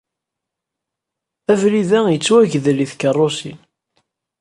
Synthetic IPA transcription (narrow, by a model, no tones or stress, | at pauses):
ævliðæjət͡sːwæʝðliθkərˤːosin